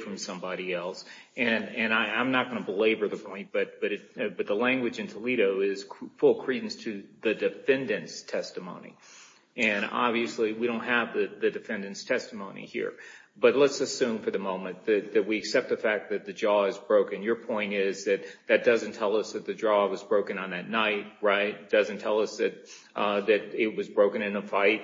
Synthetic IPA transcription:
fɹʌ̃msʌ̃mbɑɾiɛlˠs | ɨ̃nɨ̃naɪãɪ̃mnət̚ɡ̥ʌnəbleɪbə˞ðɨpʰɔ̃ɪ̃n̚b̥ʌt̚b̥ʌɾɨt̚bʌt̪̚ðəlæ̃ŋɡwɨd͡ʒɨ̃ntʰəliɾoʊɪz̥fʊlˠkʰɹ̥idⁿn̩stʰɨðɨdɨfɛ̃ndɨ̃nstʰɛstɨmõʊ̃nḭ | ɨ̃nɑ̰bviɨsliwiɾõʊ̃n̚ɦɨvðɨðɨdɨfɛ̃ndɨ̃nstʰɛstəmõʊ̃nḭhḭɹ | b̥ʌtˡlətsɨsʉ̃ɱfə˞ðɨmõʊ̃mɨ̃nðɨt̪̚ðɨt̚wiɨksɛp̚t̪̚ðɨfæk̚ðɨt̪̚ðɨd͡ʒɔɨzbɹoʊkɨ̃njə˞pʰɔ̃ɪ̃ñɪzðɨt̪̚ðɨt̚d̥ʌzɨ̃n̩tʰɛlˠʌsðɨt̪̚ðɨdɹɔwʌzbɹoʊkɨ̃nə̃n̩ðɨtⁿnaɪt̚ɹaɪt̚d̥ʌzɨ̃ntʰɛlˠʌsðɨt̪̚ | ðɨɾɪt̚wʌzbɹoʊkɨ̃ñɨ̃nəfaɪt̚

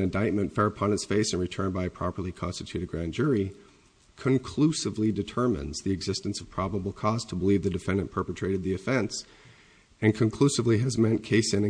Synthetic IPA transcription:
ɨ̃ndaɪt̚mɨ̃ntfɛɹɨpʰɑ̃nɨtsfeɪsɨ̃nɹɨtʰɜ̃˞nbaɪɨpʰɹ̥ɑpə˞lˠikʰɑ̰̃nstɨtʰʉɾɨd̚ɡɹæ̃nd͡ʒʊɹi | kʰɨ̃nkʰl̥usɨvlidɨtʰɜ̃˞mɨ̰̃nzðiɨɡzɪstɨ̃n̩sʌv̥pʰɹ̥ɑbəbl̩ˠkʰɔz̥tʰəbəlivðɨdɨfɛ̃ndɨ̃npʰɜ˞pɨtʰɹ̥eɪɾɨd̪̚ðiɨfɛ̃ns | ɨ̃nkʰɨ̃nkʰl̥usɨvliɨzmɛ̃nkʰeɪsɨ̃nɨ̃

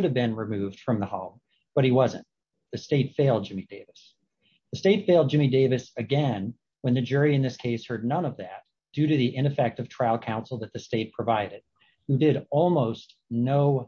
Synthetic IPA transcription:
ɾɨvbɪ̃nɹɨmʉvd̥fɹʌ̃mðəhoʊm | b̥ʌt̚hiwʌzɨ̰̃n | ðɨsteɪtfeɪlˠd̚d͡ʒɪ̃mideɪvɨs | ðɨsteɪtfeɪlˠd̚d͡ʒɪ̃mideɪvɨsɨɡɛ̃n | wə̃nðɨd͡ʒʊɹiɨ̃nðɪskʰeɪshɜ˞dⁿnʌ̃nʌvðæt̚ | d̥ʉɾɨðiʔɪ̃ñɨfɛk̚tʌv̥tʰɹ̥aɪlˠkʰãʊ̃nsl̩ˠðɨt̪̚ðɨsteɪt̚pʰɹ̥ɨvaɪɾɨd̥̚ | hʉdɪɾɔlˠmoʊstnoʊ

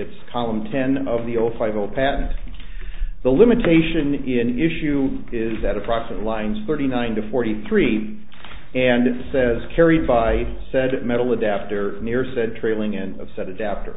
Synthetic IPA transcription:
ɨtskʰɑlˠə̃mtʰɛ̃nʌvðioʊfaɪvoʊpʰæʔn̩t | ðəlɪ̃mɨtʰeɪʃɨ̃nɪ̃nɪʃʉ | ɪzɨɾɨpʰɹ̥ɑksəmətˡlãɪ̃nz̥θɜ˞ɾinãɪ̃ntɨfɔɹɾiθɹi | ɨ̃nsɛz̥kʰɛɹid̚baɪ | sɛd̚mɛɾl̩ˠədæp̚tə˞nɪɹsɛd̚tʰɹ̥eɪlˠɪ̃ŋɪ̃nʌ̰v̥sɛɾɨdæp̚tə̰˞

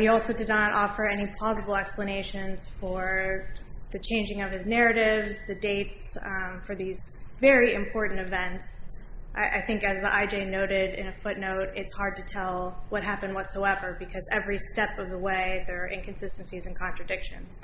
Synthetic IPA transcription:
hiɔlˠsoʊdɨdⁿnəɾʔɔfə˞ɛnipʰl̥ɑzəbl̩ˠɛkspləñeɪʃɨ̃nz̥fə˞ | ðɨt͡ʃʰẽɪ̃nd͡ʒɪ̃ŋʌv̥ɨznɛɹɨɾɪvzðɨdeɪtsfə˞ðizvɛɹiɨ̃mpʰɔɹʔn̩tɨvɛ̃ntsʔa̰ɪʔaɪθɪ̃ŋkɨzðiʔaɪd͡ʒeɪnoʊɾɪɾɪ̰̃nɨfʊtⁿnoʊɾɪtshɑɹd̚tɨtʰɛlˠwʌt̚ɦæpɨ̃nwʌtsoʊɛvə˞bɨkʰʌzɛvɹistɛpʌvðəweɪðə˞ʔɪ̃nkʰɨ̃n̩sɪstn̩sizɨ̃n̩kʰɑ̃ntɹ̥ɨdɪkʃɨ̰̃nz̥

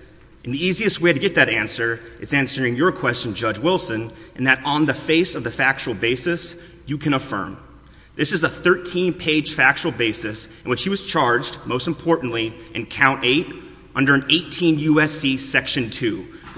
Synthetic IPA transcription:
ʔɨ̃n̩ðiiziɨst̚weɪɾɨɡɛt̪̚ðɨɾæ̃nsə˞ʔɨtsæ̃nsə˞ɪ̃ŋjə˞kʰw̥ɛst͡ʃɨ̃n̩d͡ʒʌd͡ʒwɪlˠsɨ̃nʔɨ̃n̩ðɨɾn̩ðɨfeɪsʌvðɨfæk̚t͡ʃul̩ˠbeɪsɨs | jɨkʰɨ̃ɾ̃əfɜ̰̃˞m | ðɪsɨzəθɜ˞tʰĩnpʰeɪd̥ʒ̥fæk̚t͡ʃul̩ˠbeɪsɨsɨ̃nwɨt͡ʃhiwʌz̥t͡ʃʰɑɹd͡ʒdmoʊstm̩pʰɔɹʔn̩ʔliʔɨ̃nkʰãʊ̃nteɪɾ | ʔʌ̃ndə˞ɨ̃neɪtʰĩnjʉɛsisɛkʃɨ̃ntʰʉ

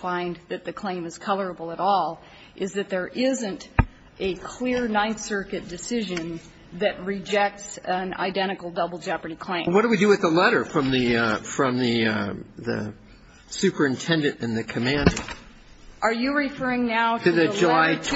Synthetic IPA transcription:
fãɪ̃nðɨt̪̚ðɨkʰl̥ẽɪ̃mɨz̥kʰʌlˠə˞əbl̩ˠəɾɔlˠ | ʔɨzðɨt̪̚ðə˞ʔɪzɨ̃nt | ʔɨkʰl̥ɪɹnãɪ̃nsɜ˞kɨt̚d̥ɨsɪʒɨ̃n | ðɨt̚ɹɨd͡ʒɛk̚tsɨ̃na̰ɪdɛ̃ɾ̃ɨkl̩ˠdʌbl̩ˠd͡ʒæpɨnikʰl̥ẽɪ̃wʌt̚d̥əwidɨwɨððəlɛɾə˞fɹʌ̃mðɨfɹʌ̃mðɨðɨ̰ | sʉpə˞ɨ̃ntʰɛ̃ndɨ̃ntɨ̃nðɨkʰɨmæ̃ndə̰ | ʔə˞jɨɹɪfɜ˞ɪ̃ŋnaʊtʰɨɨðɨd͡ʒəlaɪtʰ

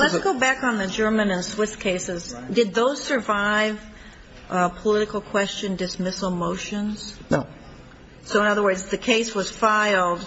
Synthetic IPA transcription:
lətsɡ̥oʊbækn̩ðɨd͡ʒɜ˞mɨ̃nɨ̃nswɪskʰeɪsɪzdɨd̪̚ðoʊz̥sə˞vaɪv̥ | pʰəlɪɾɨkl̩ˠkʰw̥ɛst͡ʃɨ̃ndɨsmɪsl̩ˠmoʊʃɨ̃nz̥o̰ | soʊə̃nʌðə˞wɜ˞dzðɨkʰeɪswʌz̥faɪl̩ˠd̥

